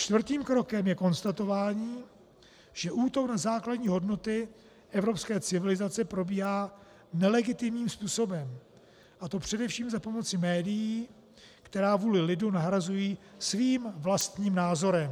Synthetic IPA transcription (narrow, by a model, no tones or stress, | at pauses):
t͡ʃt̪vrt̪iːmkɾo̞kɛmjɛko̞nst̪at̪o̞vaːɲiː | ʒ̥ɛʔuːt̪o̞knazaːkladɲiːɦo̞dno̞t̪ɪ | ʔɛvɾo̞pskɛːt͡sɪvɪlɪzat͡sɛpɾo̞biːɦaː | nɛlɛɡɪt̪ɪmɲiːmspuːso̞bɛm | ʔat̪o̞pr̝̥ɛdɛfʃiːmzapo̞mo̞t͡sɪmɛːdɪjiː | kt̪ɛɾaːvuːlɪlɪdunaɦɾazujiːsviːmvlast̪ɲiːmnaːzo̞ɾɛm